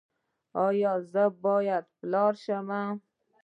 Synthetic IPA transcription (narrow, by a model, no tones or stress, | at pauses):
ɒjɒzabɒjad̪pɪlɒɾʃama